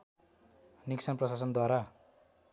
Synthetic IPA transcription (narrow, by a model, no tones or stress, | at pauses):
niksʌnprʌsas̬ʌnd̪waɾa